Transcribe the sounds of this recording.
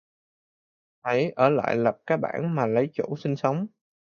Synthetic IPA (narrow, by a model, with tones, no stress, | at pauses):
ʔə˨˦jʔəː˧˩la̰ː˧˨jlə˨˩p̚kaː˦˥k̚ɓa̰ː˧˩nmaː˨˩lə˨˦jt͡ɕṵ˧˩sï˧ŋ̟sə˨˦wŋ͡m